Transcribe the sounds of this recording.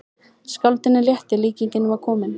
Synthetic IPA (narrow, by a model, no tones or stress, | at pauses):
skawlt̪ɪnːɪljɛht̪ɪliːciɲcɪnvaɾkʰɔːmɪn